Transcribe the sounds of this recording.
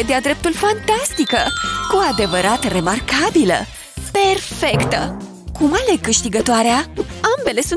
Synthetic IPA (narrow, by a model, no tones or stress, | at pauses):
ed̪ead̪ɾe̞p̚t̪ulfant̪ast̪ikəkuad̪e̞vəɾat̪əre̞markabilə̰ | pe̞rfe̞kt̪ə̰ | kumale̞kɨʃt̪iɡət̪oaɾeaambe̞le̞sun